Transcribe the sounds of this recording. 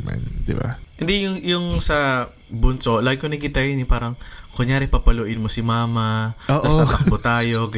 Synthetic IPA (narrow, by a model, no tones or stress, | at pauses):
ma̰nd̪ɪba̰ʔɪnd̪ɛjʊŋjʊŋsɐ | bʊnsoʔlaːɡɪkːonɐkɪt̪ɐjonɪpaːɾɐŋkʊɲjaːɾɪpɐpɐloʔɪnmosɪmaːmɐoːʔɐsɐt̪ɐk̚mot̪aːjo̞